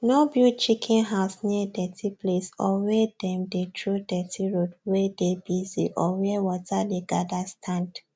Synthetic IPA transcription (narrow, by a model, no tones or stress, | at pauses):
nɔbjut͡ʃikʰɛ̃nɦaʊsniədɛtʰiplesɔwɛdɛ̃mdetʰɹodɛtʰiɹodwɛdebizḭʔɔwɛwɔtadeɡadastʰãnd